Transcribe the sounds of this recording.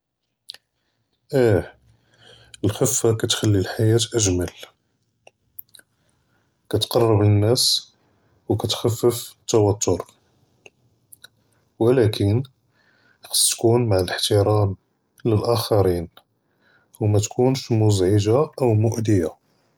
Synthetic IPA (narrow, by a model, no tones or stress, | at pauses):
ʔæ | əlxəfːakæt̪xælːilħajæt̪ʔəʒməl | kæt̪qɑrˤːɑblənːæs | wkæt̪xæfːəft̪ːæwɑt̪ʰˤːoɾ | wəlækən | qst̪kunmaʕələħt̪iɾɑn | ləlʔæxɑɾin | wmæt̪kunʃmʊzʕəʒaʔəwmʊʔd̪əja